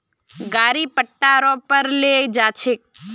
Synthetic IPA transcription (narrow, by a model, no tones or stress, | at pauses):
ɡaːɾipəʈːaːɾõpəɾled͡ʒaːt͡ʃʰɪk̚